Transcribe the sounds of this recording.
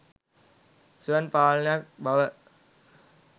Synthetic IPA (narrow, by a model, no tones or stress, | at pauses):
suənpaːlənejak̚baʋə